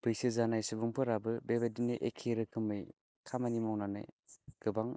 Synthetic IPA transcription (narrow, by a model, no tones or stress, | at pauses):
pɯjsɯzanajsɯbɯŋpʰɯɾabɯbebedinɯʔekʰeɾɯkʰɯmɯj | kʰamanimɔwnanɯ̰jɡ̥ɯbaŋ